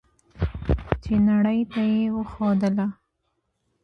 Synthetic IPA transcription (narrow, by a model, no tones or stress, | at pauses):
t͡ʃenaɽəjt̪ajewəxod̪əla